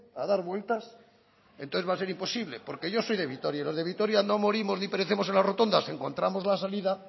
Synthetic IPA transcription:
aðaɾβwe̞lt̪as | ḛnt̪oθeβase̞ɾimpo̞siβle̞po̞ɾke̞ʝo̞so̞jðe̞βit̪o̞ɾjailo̞zðe̞β̞it̪o̞ɾjano̞moɾimo̞znipeɾeθemo̞se̞nlazro̞t̪o̞nd̪ase̞ŋko̞nt̪ɾamo̞zlasaliða

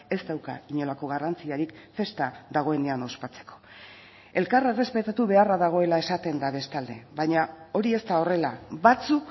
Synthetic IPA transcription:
e̞st̪awka̰iɲo̞lako̞ɣarant͡siaɾikfe̞st̪aðaɣ̞o̞e̞ne̞ano̞spat͡se̥ko̥ | e̞lkare̞re̞spe̞t̪at̪uβe̞araðaɣ̞o̞e̞lae̞sat̪e̞nd̪aβ̞e̞st̪ald̪eβaɲao̞ɾie̞st̪ao̞re̞laβat͡suk

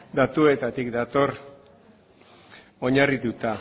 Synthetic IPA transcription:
d̪at̪ue̞t̪at̪ikd̪at̪o̞r | o̞ɲarit̪ut̪a

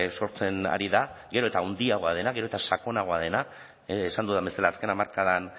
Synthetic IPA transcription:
so̞ɾt͡se̞na̰ɾiðaɣe̞ɾo̞e̞t̪aund̪iaɣo̞að̞e̞naɣe̞ɾot̪asako̞naɣo̞að̞e̞naː | sand̪uðambe̞salaːske̞namaɾkaðan

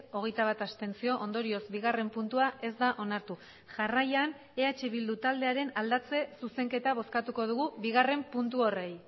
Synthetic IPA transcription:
o̞ɣ̞e̞jt̪aβ̞at̪ast̪e̞nt͡sio̞ʔond̪o̞ɾio̞zbiɣare̞mpunt̪uaʔe̞zd̪aʔo̞naɾt̪u | ʝarajan | e̞at͡ʃe̞βild̪ut̪ald̪e̞aɾe̞nald̪at͡se̞suse̞ŋke̞t̪aβ̞o̞skat̪uko̞ð̞uɣuβiɣ̞are̞mpunt̪̬uo̞re̞j

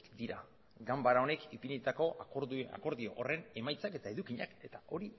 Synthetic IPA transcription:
kd̪iɾa̰ | ɡambaɾao̞ne̞kipiɲit̪ako̞a̰ko̞ɾðio̞ʔore̞ne̞majt͡sake̞t̪ae̞ðukiɲake̞t̪aʔo̞ɾi

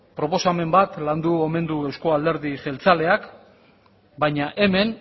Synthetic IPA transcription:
pɾo̞po̞same̞mbat̪land̪uome̞nd̪ue̞wsko̞ald̪e̞ɾðiʝe̞lt͡sale̞ak | bajɲaʔe̞me̞n

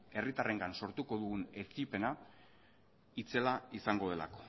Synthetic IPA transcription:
e̞rit̪are̞ŋɡanso̞ɾt̪uko̞ðuɣune̞t͡sipe̞na | it͡se̞laisaŋɡo̞ð̞e̞la̰ko̞̥

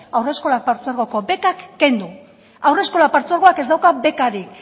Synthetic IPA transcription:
awre̞sko̞lak̚paɾt͡suaɾɣo̞ko̞be̞kakːe̞nd̪u | awre̞sko̞lapaɾt͡suaɾɣo̞akezd̪awkabe̞kaɾik

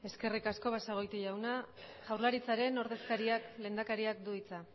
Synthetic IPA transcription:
e̞ske̞rikasko̞βasaɣ̞o̞jt̪uʝawna | ʝawrlaɾit͡saɾe̞no̞ɾðe̞skaɾiakle̞ːnd̪akaɾiak̚d̪uit͡sa

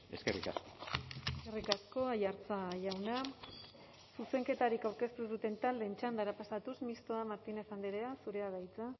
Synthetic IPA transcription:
e̞̰skerḭka̰skoeserikasko̞ajaɾt͡saʝawna | suse̞ŋke̞t̪aɾikawɾke̞st̪uðut̪e̞nt̪ald̪e̞nt͡ʃand̪aɾapasat̪usmist̪oamaɾt̪inefand̪eɾeasuɾe̞að̞ajt͡sa

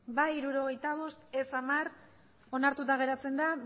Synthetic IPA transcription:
baiɾuɾo̞ɣ̞e̞jt̪aβo̞st̪e̞samar | o̞naɾt̪ut̪̬aɣ̞e̞ɾat͡se̞nd̪a

